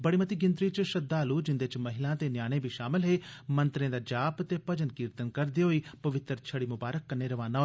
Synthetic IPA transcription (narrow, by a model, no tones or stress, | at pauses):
bəɽiːmət̪iːɡɪ̃nt̪ɾiːt͡ʃʃəd̪aːluːd͡ʒɪnd̪eːt͡ʃməɦɪlãːt̪eːnjaːɽ̃ẽːbʱiːʃaːmɪlɦeːmənt̪ɾẽːd̪aːd͡ʒaːpt̪eːpəd͡ʒənkɪɾt̪ənkəɾd̪iːɦoːiːpəʋɪt̪ɾt͡ʃʰəɽiːmʊbaːɾəkːəneːɾəʋaːnãːɦo